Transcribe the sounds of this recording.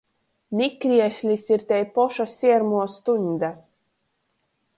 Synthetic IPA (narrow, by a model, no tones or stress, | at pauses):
mʲikɾiɛʃlʲisiɾt̪ʲɛjpɔʃasʲiɛɾmuɔst̪uɲʲd̪a